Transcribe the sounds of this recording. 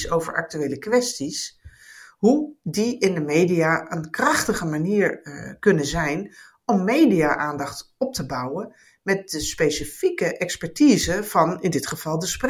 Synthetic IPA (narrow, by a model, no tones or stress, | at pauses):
sowvə̰ɹʔɑ̰k̚tyʋejləkʋɛstis | ɦudiɪndəmejdiaːʔənkrɑχtəχəmaniːɹkɵnəzɛjn | ɔmːejdijaːʔaːndɑχtɔp̚təbʌwən | mɛt̚dəspejsifikəʔɛkspɛɹtiːzəv̥ɑnɪndɪtχəv̥ɑlˠdəspr